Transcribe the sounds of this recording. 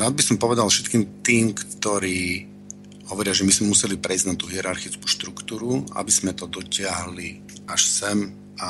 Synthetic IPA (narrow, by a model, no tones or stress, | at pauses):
ɾaːd̪̚bisɔmpɔʋɛd̪alˠfʃɛt̪kiːmt̪iːmkt̪ɔɾiː | ɦɔʋɔɾɪaʒɛmizmɛmusɛlipɾɛjznat̪uːɦiɛɾaɾxit͡sku̥ʃt̪ɾukt̪uːɾua̰biz̥mɛt̪ɔd̪ɔcɪaɦli | aʃsɛm | a